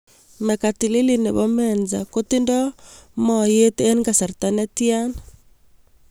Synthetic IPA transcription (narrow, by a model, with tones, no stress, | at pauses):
mɛ˨ka˨ti˨li˦li˦nḛ˨βɔmɛnza̰ko˦ti˦ndɔmɔje˦tɛ˦nɡa˨sa˨ɾtanɛ˦tia˦na